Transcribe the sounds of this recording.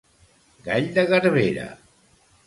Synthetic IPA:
ɡaʎd̪əɣəɾβeɾə̰

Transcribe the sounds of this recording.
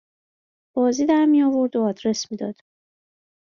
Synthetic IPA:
b̥ɒːziːd̪æɾmijɒvoɾd̪oɒːd̪ɾe̞smiːd̪ɒ̰ːd̪̥

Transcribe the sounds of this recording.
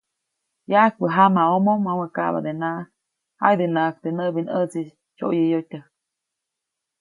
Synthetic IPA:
jak̚bəɦamaomomawəka̰ʔβa̰d̪enaʔ | ha̰jd̪enak̚t̪enəbinət͡si | t͡ʃo̰ʔjəjotʲə

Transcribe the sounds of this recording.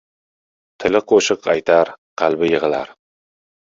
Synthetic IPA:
t̪ʰɪlɪqʰoʃɨqʰɑjt̪ʰaɾ | qʰɑlˠbɪjɪʁɨla̰ɾ

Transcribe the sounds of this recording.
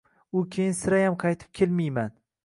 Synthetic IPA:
ʊkʲʰejɪnsɪɾajamqʰɑjt̪ʰɪ̥p̚kʲʰelmijman

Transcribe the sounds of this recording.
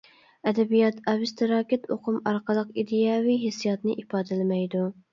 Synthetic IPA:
ɛd̪ɛbijɑt̪ʰɑvɪst̪ʰɪɾɑːkʲɪt̪ʰoqʰʊmɑɾqəlˠəqid̪ɪjɑːwiɦesijɑt̪nɨʔipɑːd̪ɪlɪmɛjd̪u

